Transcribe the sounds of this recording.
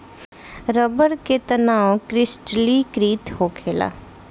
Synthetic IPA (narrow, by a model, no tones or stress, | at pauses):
ɾəbəɾket̪ənaːkɾɪsʈlikɾiːt̪ɦoːkʰeːla̰ː